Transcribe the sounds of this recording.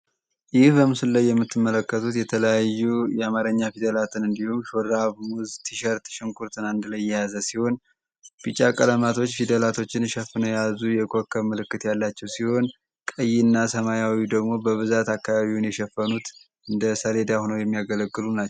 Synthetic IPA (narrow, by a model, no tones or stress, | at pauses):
jɪhbəmɨsɨlːajːɛmːɨt̪ʰːɨmːələkːət̪ʰut̪jɛt̪ʰələjajːujɛamaɾəɲːafid̪əlat̪ʰɨnɨnd̪ihumʃoɾaβwʊzt̪ʰiʃəɾt̪ʃɨŋkʼuɾt̪ʰɨnand̪lajːɛjazəsiho̞n | bit͡ʃʼakʼələmat̪ʰo̞t͡ʃːfid̪əlat̪ʰo̞t͡ʃːɪnʃɛfːɨnəjazujɛkʰʼokʰːəmɨlɨkːɨt̪jalːat͡ʃːɛwsiho̞n | kʼəjːinːasəmajawid̪əɡmo̞bəβɨzat̪akːaβaβiwnjɛʃɛfːənut̪ | ɨnd̪əsəle̞d̪aho̞nəwjɛmːijaɡələɡːɨlunat͡ʃː